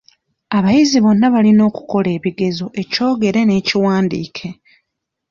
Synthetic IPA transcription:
aβajiziβo̞nːaβalino̞ːku̥ko̞le̞ːβiɡe̞zo̞ʔe̞co̞ːɡe̞ɾe̞ne̞ːciwaːndḭːkʰe̞

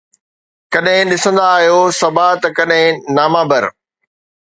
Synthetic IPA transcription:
kɐɗɦɪ̃ɗɪsə̃nd̪aːɦijosɐbat̪ɐkɐɗɦɪ̃naːmãbɐɾ

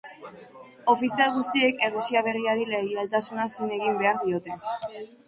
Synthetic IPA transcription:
o̞fisialɣust̪ie̞ke̞rusiaβ̞e̞riaɾileɣjalt̪asunasine̞ɣimbe̞aɾðio̞t̪e̞

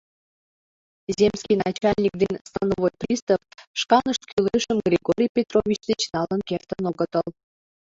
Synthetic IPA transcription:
zʲemskʲijnɑt͡ɕɑlʲnʲik̚d̪enʲst̪ɑnovojprʲist̪əpʃkɑnəʃkʲylʲeʃəmɡrʲiɡoɾʲijpʲet̪rovʲit͡ɕd̪et͡ɕnɑlənkʲert̪ənoɡə̆t̪ɤlˠ

